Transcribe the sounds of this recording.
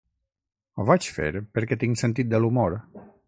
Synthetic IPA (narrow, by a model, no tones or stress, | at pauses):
ovat͡ʃfḛɾpəɾket̪iŋsent̪̬it̪̚d̪əlumoɾ